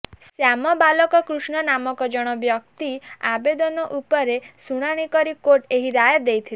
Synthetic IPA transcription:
sjamɔbalɔkɔkɾusɳ̃ɔnamɔkɔd͡ʒɔɽ̃ɔbjɔk̚t̪iabed̪ɔnɔʔupɔɾesuɽ̃aɽ̃ikɔɾikoʈeɦiɾajɔd̪ejt̪ʰil

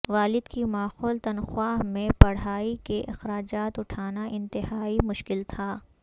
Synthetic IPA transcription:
ʋaːlɪd̪kimaːxoːlt̪ɐnxʊwaːɦmẽpɐɽ̤aːikeʔɪ̰xɾaːd͡ʒaːt̪ʊʈʰaːnaʔɪ̃nt̪ɪhaːimʊʃkɪlt̪ʰaː

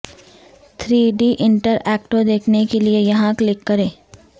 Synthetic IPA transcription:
t̪ʰɾiːɖiʔɪ̃ɳʈəɾɛːkʈõd̪eːkʰnekeliejɐɦãklɪkːɐɾẽː

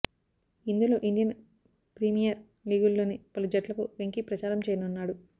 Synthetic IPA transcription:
ind̪ulo̞ːʔiɳɖijɐn | pɾimijɐɾ | liːɡulːo̞ːnipɐlud͡ʒɐʈlɐkuʋeŋkipɾɐt͡ʃaːɾɐmt͡ʃejɐnunːaːɽu

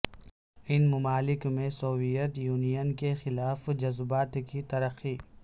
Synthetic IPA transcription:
ɪnmʊmaːlɪkmẽsoːwijət̪juːnijənkexɪlaːfd͡ʒɐzbaːt̪kit̪ɐɾəxiː

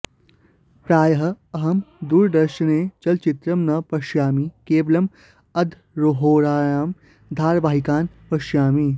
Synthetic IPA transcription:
pɾaːjɐɦɐ | ɐɦɐmd̪uːɾd̪ɐɾʃɐneːt͡ʃɐlt͡ʃit̪ɾɐmnɐpɐʃjaːmikeːblɐm | ɐd̪ʱ | ɾoɦoːɾaːjaːm | d̪ʱaːɾʋaːɦikaːnpɐʃjaːmi

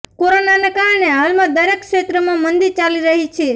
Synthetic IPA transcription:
koɾonanekaɾɳeɦalmãd̪əɾekʃet̪ɾəmãmənd̪iɾt͡ʃaliɾəɦit͡ʃʰe

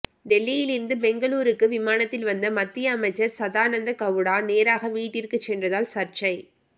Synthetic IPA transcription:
ɖɛlːɪjɪlɪɾɯnd̪ɯbɛŋɡɐɭuːɾɯkːɯʋɪmaːnɐt̪ːɪlʋɐnd̪ɐmɐt̪ːɪjɐːmɐɪt͡ʃːɐɾsɐðaːnɐnd̪ɐkɐʋɯɽaːneːɾaːɣɐʋiːʈːɪɾkːɯt͡ʃːɛndrɐðaːlsɐɾt͡ʃɐɪ

